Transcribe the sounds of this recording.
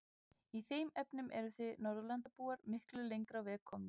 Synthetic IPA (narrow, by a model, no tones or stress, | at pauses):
iθejmɛpnʏmʔɛɾʏθɪnɔɾðʏlant̪apuːaɾmɪhklʏlejŋkɾawvɛːkʰːɔːmɪ